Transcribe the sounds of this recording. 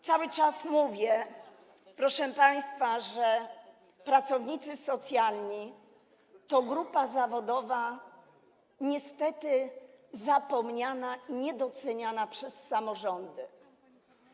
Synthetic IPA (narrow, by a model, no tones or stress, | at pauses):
t̪sawɘt͡ʂasmuvʲjɛ | pɾɔʂɛpaj̃st̪faʐɛ | pɾat̪sɔvɲit̪sɘsɔt̪sʲjalɲi | t̪ɔɡɾupazavɔd̪ɔva | ɲɛst̪ɛt̪ɘzapɔmɲanaʔiɲɛd̪ɔt̪sɛɲanapʂɛsːamɔʐɔnd̪ɘ